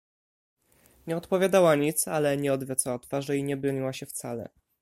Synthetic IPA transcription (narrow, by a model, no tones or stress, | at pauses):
ɲɛɔt̪pɔvʲjad̪awaɲit̪salɛɲɛɔd̪vʲjɔt̪sawat̪faʐɛiɲɛbɾɔɲiwaɕɛft̪salɛ̰